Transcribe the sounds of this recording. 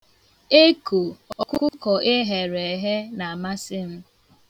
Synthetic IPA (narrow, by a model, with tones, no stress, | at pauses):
e˦ku˨ɔ˨kʷʊ˦ʊ˦kɔ˨ʔe˦ɦe˨ɾe˨ɦe˦na˨a˨ma˦sɪ˦m̩˦